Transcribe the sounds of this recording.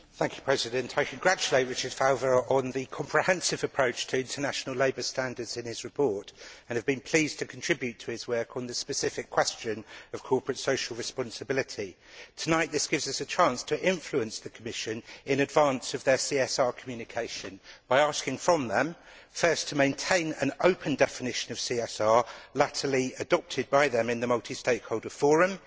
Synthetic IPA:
θæ̃ŋkʰjə̥pʰɹ̥ɛzɪdɨ̃ntʰaɪkʰə̃nɡɹat͡ʃəleɪʔ̚wɪt͡ʃəz̥feɪvəɹʔə̃nðikʰɒ̃mpʰɹ̥ɪhɛ̃nsɪvəpʰɹ̥əʊt͡ʃtʰəɪ̃ntʰənaʃnəlˠeɪbəstæ̃ndədz̥ɪ̃nɪz̥ɹɨpʰɔɹtə̃nɨvbɨ̃npʰl̥iːz̥tʰɨkʰə̃ntʰɹ̥ɪbjʉtʰəɪzwɜˑkʰn̩ðəspɨsɪfɪkʰw̥ɛst͡ʃə̃nəv̥kʰɔˑpʰɹɨtsəʊʃl̩ˠɹɨspɑ̃nsəbɪlɪtʰi | tʰənaɪʔ̪̚ðɪsɡ̥ɪvzʌsət͡ʃʰɑ̃ˑnstʰəʔɪ̃ɱfluə̃nsðəkʰəmɪʃə̃nɪ̃nɨdvɑ̃ˑnsəvðə˞siɛsɑːɹkʰəmjʉnɪkʰeɪʃə̃nb̥aɪɑˑskɪ̃ŋfɹə̃mðə̃m | fɜˑstʰəmẽɪ̃ntʰẽɪ̃nə̰̃nəʊpʰə̃ndɛfɪnɪʃə̃nəv̥siɛsɑːɹlatʰəliədɒp̚tʰɪd̚baɪðə̃mɪ̃nðəmʌlˠtʰisteɪkhoʊlˠdəfɔːɹə̃m

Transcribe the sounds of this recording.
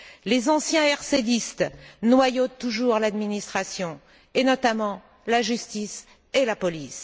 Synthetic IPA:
lezɑ̃sjɛ̃ɛʁsed̪ist̪nwajott̪ːuʒuʁlad̪minist̪χasjɔ̃ | enɔt̪amɑ̃ | laʒyst̪is | elapɔlis

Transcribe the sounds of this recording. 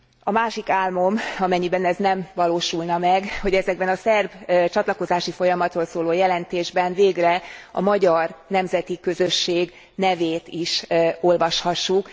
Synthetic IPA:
ɒmaːʃikaːlmo̞mɒmɛɲːibɛnɛznɛɱvɒloːʃulnɒmɛɡho̞ɟɛzɛɡ̚bɛnɒsɛrbt͡ʃɒt̪lɒko̞zaːʃifo̞jɒmɒt̪roːlsoːloːjɛlɛnt̪eːʒbɛnveːɡrɛɒ̰mɒɟɒrnɛmzɛt̪ikø̞zø̞ʃːeːɡ | nɛveːt̪iʃo̞lvɒʃhɒʃːuk

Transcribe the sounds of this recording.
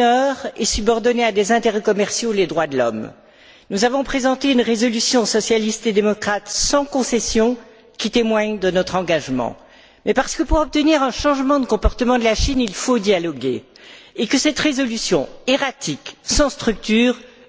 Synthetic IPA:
œʁɛsybɔʁd̪ɔnead̪ezɛ̃t̪eʁɛkɔmɛʁsjoled̪ʁwad̪əlɔ̰m | nuzavɔ̃pχezɑ̃t̪eynʁezɔlysjɔ̃sɔsjalist̪ed̪emɔkχat̪sɑ̃kɔ̃sɛsjɔ̃ | kʲit̪emwaɲd̪ənɔt̪χɑ̃ɡaʒmɑ̰̃ | mɛpaʁsə̥kəpuʁɔp̚t̪əniʁɛ̃ʃɑ̃ʒmɑ̃d̪əkɔ̃pɔʁt̪əmɑ̃d̪əlaʃinilfod̪jalɔɡeː | kəsɛt̪ʁezɔlysjɔ̃eʁat̪ʰiksɑ̃st̪χyk̚t̪yːʁ

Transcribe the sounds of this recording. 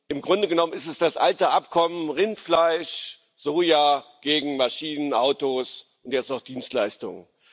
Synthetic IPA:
ʔɪmɡʁʊndəɡənɔmənɪstɛsd̥asʔaltəʔapkʰɔmənʁɪntflaɪʃ | z̥oːjaːɡ̥eːɡŋ̩maʃiːnənʔaʊtoːsʔʊntjɛstaʊχd̥iːnstlaɪstʊ̰ŋən

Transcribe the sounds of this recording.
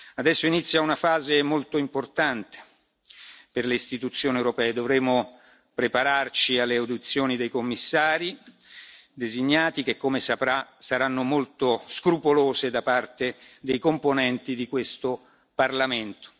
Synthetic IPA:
ad̪ɛsːoinit̪sːjaunafaːzemolt̪oimport̪ant̪e̥ | perleist̪it̪ut̪sːjoːniewɾopɛːed̪ovɾeːmːo | pɾepaɾart͡ʃialːeawd̪it̪sːjoːnid̪ejkomːisːaːɾi | d̪eziɲːaːt̪ik̟ekːomesapɾasaɾanːomolt̪oskɾupoloːzed̪apart̪ed̪ejkomponɛnt̪id̪ikwest̪o | parlament̪o̥

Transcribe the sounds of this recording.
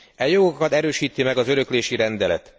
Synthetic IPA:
ɛjo̞ɡokɒt̪ɛɾøːʃiːt̪imɛɡɒzø̞ɾø̞kleːʃiɾɛnd̪ɛlɛ̰t̪

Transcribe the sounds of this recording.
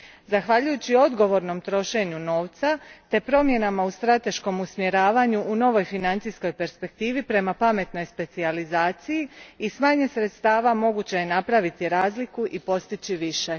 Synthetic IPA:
zaxʋaʎujut͡ɕio̞d̪ɡo̞ʋo̞ɾno̞mt̪ɾo̞ʃe̞ɲuno̞ːʋt̪sat̪e̞pɾo̞mje̞namaust̪ɾat̪e̞ʃko̞musmjeɾaːʋaɲuʔːno̞ʋo̞jfinant̪sijsko̞jpe̞ɾspe̞k̚t̪iːʋipɾe̞mapame̞t̪no̞jspe̞t̪sializaːt̪sijiːsmaːɲesɾet̪st̪aːʋamo̞ɡut͡ɕejenapɾaʋit̪iɾaːzlikuʔipo̞st̪it͡ɕiʋiʃe̞

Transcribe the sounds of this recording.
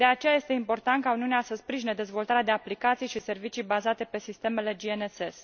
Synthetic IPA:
d̪e̞at͡ʃejaje̞st̪e̞impo̞rt̪ant̪̚kauniuneasəspɾiʒined̪e̞zvo̞lt̪aɾead̪e̞aplikat̪sijʃise̞rvit͡ʃijbazat̪e̞pe̞sist̪e̞me̞le̞d͡ʒieneses

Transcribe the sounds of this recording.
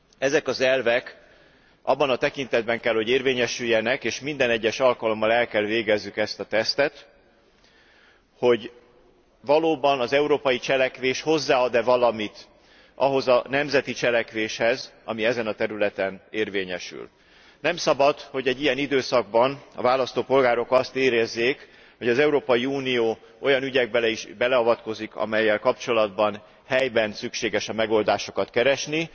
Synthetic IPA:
ɛzɛkɒzɛlvɛk | ʔɒ̰bːɒnɒt̪ɛkint̪ɛd̪̚bɛŋkɛlho̞ɟeːrveːɲɛʃyjːɛnɛkeːʃmind̪ɛnɛɟːɛʃɒlkɒlo̞mːɒlɛlkɛlveːɡɛzːykɛst̪ɒt̪ɛst̪ɛt̪ | ho̞ɟ | vɒloːbɒnɒzɛuɾoːpɒjit͡ʃɛlɛkʋeːʃho̞zːaːɒd̪ɛvɒlɒmit̪ | ʔɒɦo̞zɒnɛmzɛt̪it͡ʃɛlɛkʋeːʃhɛzɒmiɛzɛnɒt̪ɛɾylɛt̪ɛneːrveːɲɛʃy̰l | nɛmsɒbɒd̪ho̞ɟɛɟːijɛnid̪øːsɒɡ̚bɒnɒ̰vaːlɒst̪oːpo̞lɡaːɾo̞kɒst̪eːɾɛzːeːk | ho̞ɟɒzɛuɾoːpɒjiuːnijoː | o̞jɒnyɟɛɡ̚bɛlɛiʒbɛlɛɒvɒt̪ko̞zikɒ̰mɛjːɛlkɒpt͡ʃo̞lɒd̪bɒn | hɛjbɛnsykʃeːɡɛʃɒmɛɡo̞ld̪aːʃo̞kɒt̪kɛɾɛʃni

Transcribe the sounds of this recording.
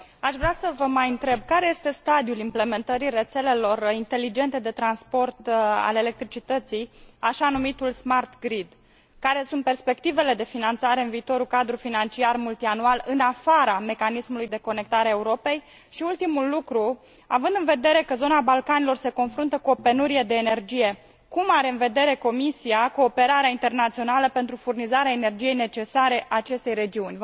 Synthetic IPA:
aʃvɾasəvəmajɨnt̪ɾe̞b̚kaɾe̞jest̪e̞st̪ad̪ijulimple̞ment̪əɾire̞t̪se̞le̞lo̞rint̪e̞lid͡ʒe̞nt̪e̞d̪e̞t̪ɾanspo̞rt̪a̰le̞le̞k̚t̪ɾit͡ʃit̪ət̪sijaʃanumit̪ulsmart̪ɡɾid̪ | kaɾe̞sunt̪pe̞rspe̞k̚t̪ive̞le̞d̪e̞finant̪saɾe̞ɨnviːt̪o̞ɾukad̪ɾufinant͡ʃiarmult̪ianualɨnafaɾame̞kanismulujd̪e̞ko̞ne̞k̚t̪aɾeaeuɾo̞pe̞j | ʃiult̪imulːukɾu | a̰vɨnd̪ɨnve̞d̪e̞ɾe̞kəzo̞nabalkanilo̞rse̞ko̞nfɾunt̪əkuo̞pe̞nuɾie̞d̪e̞ːne̞rd͡ʒije̞ | kumaɾe̞ɨnve̞d̪e̞ɾe̞ko̞misiako̞ːpe̞ɾaɾeaint̪e̞rnat̪sio̞naləpent̪ɾufurnizaɾeaene̞rd͡ʒije̞jne̞t͡ʃe̞saɾe̞ʔaːt͡ʃe̞st̪e̞jre̞d͡ʒiunʲ

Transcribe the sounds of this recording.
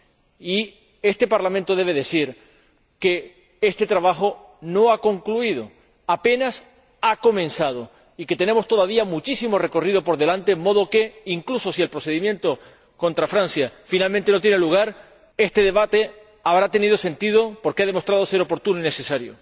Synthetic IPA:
i | e̞st̪e̞paɾlamẽnt̪o̞ðe̞βe̞ðe̞siɾ | ke̞ | e̞st̪e̞t̪ɾaβaxo̞ | no̞ako̞ŋkluið̞o̞ | ape̞nas | ako̞mẽ̞nsað̞o | ike̞t̪ene̞mo̞st̪o̞ðaβ̞iamut͡ʃisimo̞re̞ko̞riðo̞po̞ɾðe̞lant̪emːo̞ð̞o̞ke̞iŋkluso̞sie̞lpɾose̞ðimjẽ̞nt̪o̞ | ko̞nt̪ɾafɾãnsjafinalment̪e̞no̞t̪̬jene̞luɣ̞aɾ | e̞st̪e̞ðe̞βat̪e̞ | aβɾat̪e̞nið̞o̞se̞nt̪ið̞o̞po̞ɾkeað̞e̞mo̞st̪ɾað̞o̞se̞ɾo̞po̞ɾt̪unoine̞se̞saɾjo̰

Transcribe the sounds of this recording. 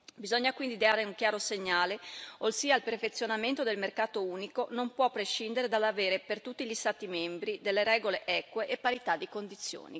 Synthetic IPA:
bizoɲːakwind̪id̪eaːɾeuŋkjaːɾoseɲːaːleosiːailperfet̪sːjonament̪od̪elmerkaːt̪ouːnikonompwɔpːɾeʃːind̪eɾed̪alːaveːɾepert̪ut̪ːiʎist̪aːt̪imembɾid̪elːeɾɛːɡoleʔɛːkweʔepːaɾit̪ad̪ːikond̪it̪sːjo̰ːni

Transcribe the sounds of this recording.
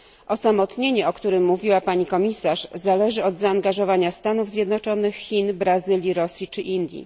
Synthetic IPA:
ʔɔsamɔt̪ɲeɲɛɔkt̪uɾɘmːuvʲiwapaɲikɔmʲisaʂzalɛʐɘɔd̪zaːŋɡaʐɔvaɲast̪anuvzʲjɛd̪nɔt͡ʂɔnɘxxʲːinbɾazɘlʲjiɾɔsʲjit͡ʂɘʔind̪ʲjḭ

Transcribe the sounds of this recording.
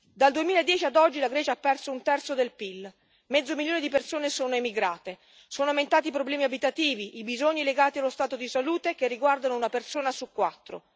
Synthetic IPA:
d̪ald̪uemiːlaed̪ːjɛːt͡ʃiad̪ɔd͡ʒːilaɡɾɛːt͡ʃapːɛrsount̪ɛrt̪sod̪elpil | mɛd̪zːomiljoːned̪ip̬ersoːnesoːnoemiɡɾaːt̪e | soːnoament̪aːt̪ip̬ɾoblɛːmiabit̪at̪iːviʔibizoɲːileɡaːt̪ialːost̪aːt̪od̪isaluːt̪ek̟erːiɡward̪anounapersoːnasukːwat̪ːɾo̰

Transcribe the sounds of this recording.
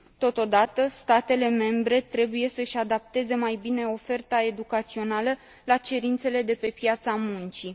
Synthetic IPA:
t̪o̞t̪o̞d̪at̪əst̪at̪e̞le̞me̞mbɾe̞t̪ɾe̞buje̞səʃʲad̪ap̚t̪e̞ze̞majbine̞o̞fe̞rt̪ae̞d̪ukat̪sio̞nalə | lat͡ʃe̞ɾint̪se̞le̞d̪e̞pe̞pjat̪samunt͡ʃi

